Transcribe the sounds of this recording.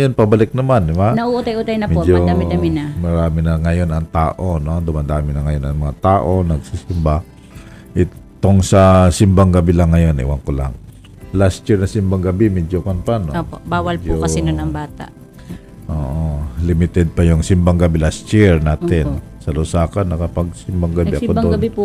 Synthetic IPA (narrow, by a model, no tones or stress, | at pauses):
jonpɐbɐlɪk̚nɐmand̪ɪmanɐʔuʔʊt̪ajʔut̪ajnɐmɛd͡ʒoamɪamɪnɐmɐɾaːmɪnɐŋɐjonɐŋt̪aːʔonod̪ʊmad̪aːmɪnɐŋɐjonɐŋmɐŋat̪aːʔo̞nɐɡsisɪmba | ʔɪt̪oŋsɐsɪmbaŋɡɐbilaŋːɐjonɪ̰waŋkʊla̰ŋ | last̪t͡ʃiɾnɐsɪmbaŋɡɐbimɛd͡ʒokanp̪anooobaːwalpd͡ʒoɐinonɐŋbaːt̪a̰ʔ | ʔoːʔolɪmɪt̪ɛd̪̚pɐjʊŋsɪmbaŋɡɐbilast̪t͡ʃiɹnaːt̪ɛn | sɐlʊsaːkanːɐkɐpaɡ̚sɪmbaŋɡɐbiʔɐod̪oɡni